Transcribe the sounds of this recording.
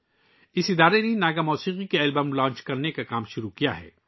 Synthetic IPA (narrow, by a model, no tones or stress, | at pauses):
ɪsɪd̪aːɾenenaːɡamɔːsiːqikeɛːlbəmlãːɲt͡ʃkɐɾnekakaːmʃʊɾukija̰ɦɛ̰ː